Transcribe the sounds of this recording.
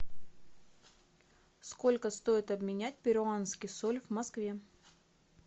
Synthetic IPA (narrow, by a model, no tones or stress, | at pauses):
sko̞lʲkəst̪o̞ɪt̪ɐbmʲɪnʲæt̚ʲpʲɪɾʊanskʲɪjsolʲvmɐskvʲe̞